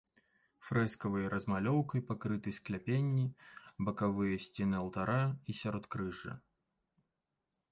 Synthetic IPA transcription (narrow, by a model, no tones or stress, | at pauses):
fɾɛskɐvɐjɐɾʔɐzmalʲɔwkɐjpakɾɨt̪ɨjsklʲapʲenʲːibɐkavɨjɐsʲt͡sʲɛnɨɐlˠt̪aɾʔaisʲaɾɔt̪kɾɨʐɐ̰